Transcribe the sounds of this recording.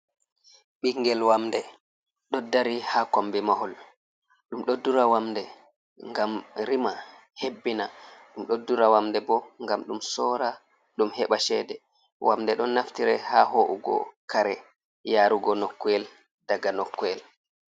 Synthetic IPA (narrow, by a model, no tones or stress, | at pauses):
ɓiŋɡɛlwamdɛ | ɗɔdaɾihakambɛmahɔl | ɗumɗɔdːuɾawamdɛ | ŋɡamɾima | hebːinaɗumɗodːuɾawamdɛbɔŋɡamɗumsɔːɾa | ɗumhɛɓaʃɛdɛ | wʔa̰mdɛɗɔnːaftiɾɛhahoʔuɡɔ̰kaɾɛ | jaːɾuɡɔnɔkːɔɛl | daɡanɔkːɔɛl